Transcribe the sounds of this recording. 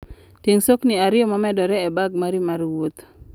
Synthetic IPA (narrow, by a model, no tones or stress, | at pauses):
teŋsokniaɾɪɔmɔmɛdɔɾɛɛbaɡ̚maɾimaɾwot̪